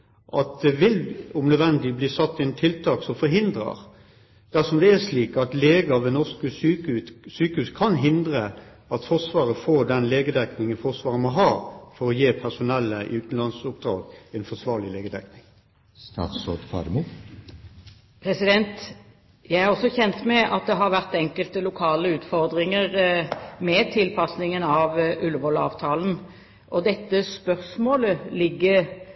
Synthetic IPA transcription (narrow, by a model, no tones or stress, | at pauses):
ʔɑt̪̚d̪ɛʋɪlʊmnœd̪ʋɛnd̪lɪbliːsɑt̪ːɛnt̪ʰɪlt̪ʰɑːksɔmfɔɾɦɪnd̪ɾə̰ʁ | d̪̥æʁsɔmd̪ɛæʂliːkɑt̪leːɡɑʋɛnɔʁskəsyːkʉt̪syːkəhʉːskʰɑnɦɪnd̪ɾə | ɑt̪fɔʁsʋɑːʁəfoːd̪ɛnleːɡəd̪ɛknɪŋənfɔʁsʋɑːʁəmɔɦɑːfɔɾɔjeːpʰæʁsʊnɛlːəʔʉːt̪n̩lɑnsʊp̚d̪̥ʁɑ̰ːɡɛnfɔsʋɑːʁɭɪleːɡəd̪ɛknɪŋ | st̪ɑ̰ːt̪sod̪fɑ̰ɾmu | pʰɾɛsɪd̪ɛnt̪ | jæɪæʁɑʁɔsːɔçɛnt̪mɛʔɑt̪̚d̪ɛɦɑɾʋæʁt̪ɛŋkəlt̪əlʊkʰɑːləʉːt̪fɔʁd̪ʁɪŋəʁmɛt̪ʰɪlpʰɑsnɪŋənɑʋʔʉlːəʋɔlɑ̰ːʋt̪ʰɑːln̩ | ʔɔd̪ɛt̪ːəspœʁsmoːləlɪɡːə